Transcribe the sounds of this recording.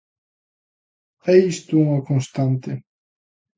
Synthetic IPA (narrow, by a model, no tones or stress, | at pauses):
ejist̪uuŋakõnst̪ant̪e